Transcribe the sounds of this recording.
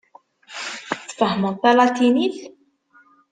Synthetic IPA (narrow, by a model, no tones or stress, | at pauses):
t͡sːfəhmənt̪ˤːælɑt̪iniθ